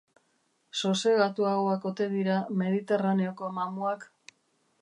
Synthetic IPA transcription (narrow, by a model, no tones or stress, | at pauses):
sose̞ɣat̪uaɣoako̞t̪e̞ð̞iɾame̞ð̞it̪e̞raneo̞ko̞mamuak